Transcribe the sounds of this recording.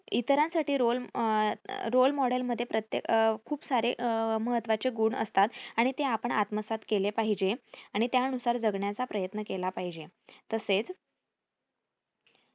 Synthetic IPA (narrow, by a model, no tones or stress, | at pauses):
it̪ɾãnsaʈiːɾol | ɾolmɔɽəlməd̪ʱːjepɾət̪jekʰuːpsaɾeməɦət̪ːʋat͡seɡuɳə̰st̪at̪aɽ̃it̪eapəɳa̰t̪məsat̪kelepaɦid͡ʑeaɽ̃it̪jaənusaɾd͡zəɡɳjat͡sapɾəjət̪nəkelapaɦid͡ʑet̪əset͡s